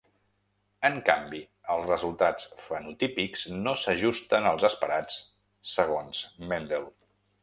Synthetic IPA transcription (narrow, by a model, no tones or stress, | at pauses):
əŋkambi | əlˠzrəzulˠt̪at͡sfənut̪ipikz̥nosəʒust̪ənəlˠzəspəɾat͡s | səɣ̞onz̥mɛnd̪elˠ